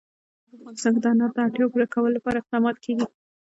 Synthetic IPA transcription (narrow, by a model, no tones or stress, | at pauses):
aafɣɑnɪst̪ɑnked̪ɑnɑɾd̪əɑʈjɑpuɾakawəlolːapɑɾaɪq̚d̪ɑmɑt̪kʰeɡi